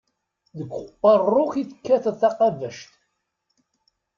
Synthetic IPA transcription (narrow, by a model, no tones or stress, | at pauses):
ðəɡʷχqːɑrˤːoχiθə̥kːæθθɑqɑvəʃt̪